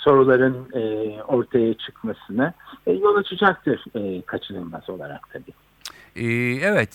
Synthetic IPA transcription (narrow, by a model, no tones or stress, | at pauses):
so̞ɾulˠaɾɯnɯːo̞ɾt̪ʰajat͡ʃʰɯkmasɯnɯjo̞lˠat͡ʃʰɯd͡ʒak̚t̪ʰɯɾ̥ɛːkʰat͡ʃʰɯnˠɯnmazo̞lˠaɾa̰kt̪ʰabiː | ɛevɛt̪